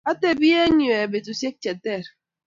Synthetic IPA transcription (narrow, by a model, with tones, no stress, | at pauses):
a˦te˦bi˦e˦ɲi˨e˨be˨tu˨se˦k̚t͡ʃe˨te˦˨ɾ